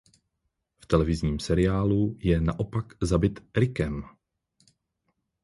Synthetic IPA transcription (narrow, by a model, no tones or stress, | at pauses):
ft̪ɛlɛvɪzɲiːmsɛɾɪaːlujɛna̰ʔo̞pakzabɪt̪ɾɪkɛm